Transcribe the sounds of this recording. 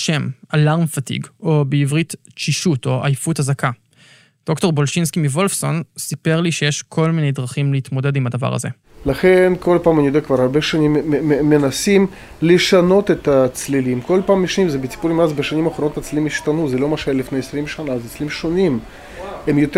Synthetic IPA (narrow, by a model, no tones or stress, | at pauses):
ʃe̞malaʁmfatḭɡo̞beivʁitt͡ʃiʃuto̞a̰jfuthazaka | d̥o̞kto̞ʁbo̞lʃinskimivo̞lfso̞nsipe̞ʁliʃejeʃkʰo̞lmine̞jdʁaχimleit̪mo̞de̞dimadava̰ʁa̰zḛ | laχenko̞lpaːmanijod̪eakvaɾhaɾbeʃanimːenasim | leʃano̞t̪et̪at͡slilimko̞lpaːmiʃanimzebet͡si̥puɾimazbeʃanimaχɾonot̪at͡slilimiʃt̪anuzɛlo̞maʃeelifnejesɾimʃanazet͡slilimʃonim | emjot̪